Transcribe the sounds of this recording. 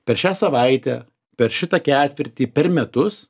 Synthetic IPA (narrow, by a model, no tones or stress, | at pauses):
pʲɛɾʃʲæːsɐʋɐɪt̪ʲæ̰ː | pʲɛɾʃʲɪt̪ɐkʲæːt̪ʲʋʲɪɾʲt̪ʲiːpʲɛɾmʲɛt̪ʊs